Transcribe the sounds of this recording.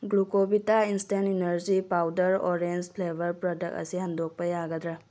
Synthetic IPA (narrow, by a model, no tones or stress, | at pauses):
ɡlukobitainsteninɐɾd͡ʒipawdɐɾoɾend͡ʒpʰlebʱɐɾpɾɔdɐk̚ɐ̰sihɐndʱok̚pɐjaɡɐdɾe